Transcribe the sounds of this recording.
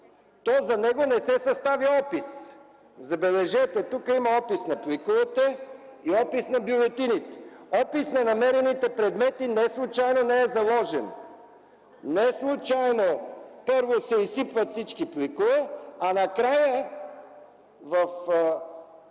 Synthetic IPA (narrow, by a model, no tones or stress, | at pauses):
t̪ɔzɐnɛɡonɛsɛsɐst̪aviɔpis | zɐbɛlɛʒɛt̪ɛt̪ukəimɐɔpisnɐplikovət̪ɛ | iɔpisnɐbiʊlˠɛt̪init̪ɔpisnɐnɐmɛɾɛnit̪ɛpɾɛd̪mɛt̪inɛslˠut͡ʃajnonɛɛzɐlˠɔʒɛ̰n | nɛslˠut͡ʃajnopɤɾvosɛisipvət̪sit͡ʃkiplikovəanɐkɾajə | vɐf